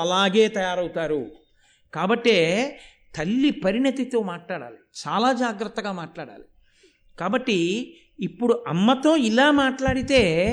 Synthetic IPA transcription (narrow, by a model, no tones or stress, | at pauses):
ɐlaːɡeːt̪ɐjaːɾɐwut̪aːɾu | kaːbɐʈːeː | t̪ɐlːipɐɾinɐt̪it̪o̞ːmaːʈlaːɽa̰ːlit͡ʃaːlaːd͡ʒaːɡɾɐt̪ːɐɡaːmaːʈlaːɽa̰ːli | kaːbɐʈːiː | pːuɽuʔɐmːɐt̪o̞ːilaːmaːʈlaːɽit̪e̞ː